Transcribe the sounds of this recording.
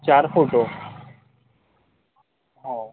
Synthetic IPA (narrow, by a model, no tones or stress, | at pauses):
t͡ɕaɾfoʈo | ɦɔ̃